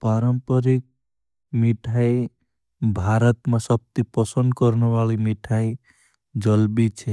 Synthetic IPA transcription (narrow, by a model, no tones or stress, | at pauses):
paɾəmpəɾik̚ | miʈʰai | bʱaɾət̪mesəb̚t̪ipəsə̃nd̪̚kɔɾneʋalimiʈʰai | d͡ʒəlbit͡ʃʰɛ